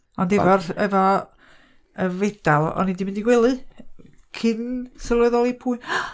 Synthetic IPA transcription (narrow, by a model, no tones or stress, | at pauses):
ɔndɛvɔrɛvɔ | əved̥alˠɔ̰nidimɪndiɡwɛlˠɨ | kʰɨnsəlˠɛðɔlˠipʰuːɨn